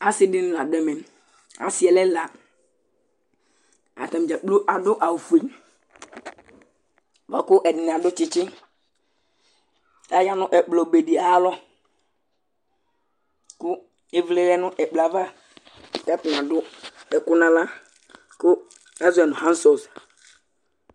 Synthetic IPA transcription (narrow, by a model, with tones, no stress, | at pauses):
a˨sɪ˦dɪ˦nʊ̃˦la˨dɛ˦mɛ˨n | a̰˨si˦ɛ˨lɛ˦la˨ | a̰˨ta˨m˨d͡ʒa˨k͡plo˦ʔa˨dʊ˦ʔa˨wu˨fu˨e˨m | va˨kʊ˦ʔɛ˨dɪ˨n˨a˨dʊ˦t͡ʃɪ˨t͡ʃɪ˦ | a˦ja˦nʊ̃˦ʔɛ˨k͡plɔ˨be˨di˨a˨˦lɔ˦ | kʊ˦ | e˦vle˦lɛ˦nʊ̃˦ʔɛ˨k͡pla˨va˦˨ | tɛ˦pn˨ã˨dʊ˦ɛ˨kʊ˦nã˦la˦ | kʊ˦ | ɛ˦zʊ˨˦ɛ˨nʊ̃˨hã˦sɔ˨s